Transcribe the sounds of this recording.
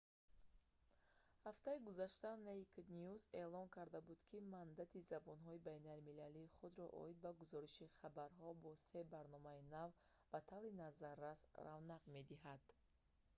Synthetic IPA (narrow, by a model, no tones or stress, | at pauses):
haft̪aiɡuzaʃt̪aneik̪niuze̞lɔnkʰaɾd̪abud̪kʰimand̪at̪ʰizabɔnɦɔibajnalmilaliːχud̪ɾɔʔɔ̰id̪̚baɡuzɔɾiʃiχabaɾɦɔbɔse̞baɾnɔmainav | b̥at̪ʰavɾinazarːasravnaqme̞d̪iɦad̪̥